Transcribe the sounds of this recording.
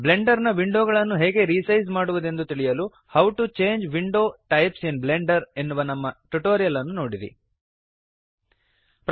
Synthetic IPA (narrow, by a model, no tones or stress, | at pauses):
ble̞ɳɖɐɾnɐʋiɳɖoːɡɐɭɐnːuɦeːɡe̞ɾiːsɐjzmaːɽuʋud̪e̞nd̪ut̪iɭijɐlu | hɐwʈut͡ʃe̞ːɲd͡ʒʋiɳɖoːʈɐjpsenbleɳɖɐɾe̞nːuʋɐnɐmːɐʈuʈoːɾijɐlɐnːuno̞ːɽiɾḭ | pɾ